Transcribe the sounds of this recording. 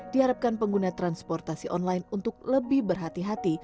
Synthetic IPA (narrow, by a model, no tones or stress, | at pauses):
d̥iɦaɾap̚kanpəŋɡunat̪ɾanspɔrt̪asiʔɔnlajnunt̪ʊk̚ləbɪhbərɦat̪iɦat̪i